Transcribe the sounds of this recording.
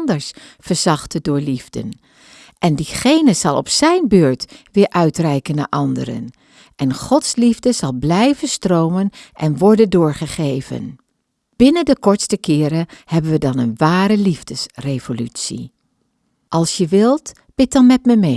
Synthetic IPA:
ndəɹsfəɹz̥ɑχtədʊːɹlivdə̰n | ʔɛndiχejnəzɑlˠɔ̰psɛjnbøːɹtʋɪːɹʔœɥtrɛjkəna̰ːɹʔɑndə̰ɾə̰n | ʔɛnχɔtslivdəzɑlˠblɛjvənstrowmənʔɛnʋɔɹdəndʊːɹχəχejvə̰n | b̥ɪnəndəkɔɹtstəkɪːɾəhɛbənʋədɑnənʋaːɾəlivdəsrejvolytsḭ | ʔɑlˠsjəʋɪlˠt | b̥ɪt̚dɑnmɛtməme

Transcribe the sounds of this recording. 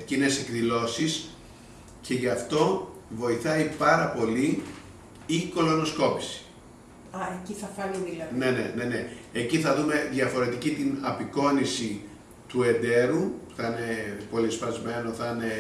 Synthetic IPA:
cine̞se̞kðilo̞sis | ce̞ʝɐft̪o̞vo̞iθɐipɐɾɐpo̞li | iko̞lo̞no̞sko̞pi̥si̥ | ɐeciθɐfɐniðiɐnenene̞ne̞ːciθɐðume̞ðʝɐfo̞ɾe̞t̪icit̪inɐpiko̞nisi | t̪ue̞nd̪e̞ɾuθɐine̞po̞lispɐzme̞no̞θɐne̞

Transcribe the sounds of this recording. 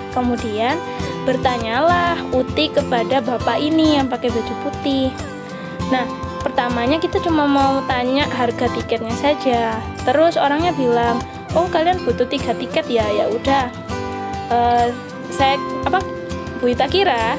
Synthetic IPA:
kəmudian | b̥ərt̪aɲalahut̪ɪkəpadabapaʔinijaŋpakɛbad͡ʒuput̪ɪh | nah | pərt̪amaɲakit̪at͡ʃumamawut̪aɲaʔɦarɡat̪ikɛt̪̚ɲasad͡ʒa | t̪əɾʊsoɾaŋɲabilaŋ | ɔkalianb̥ut̪ut̪iɡat̪ikɛt̪̚jajaʔudah | ʔə | sajaapa | buit̪akiɾa

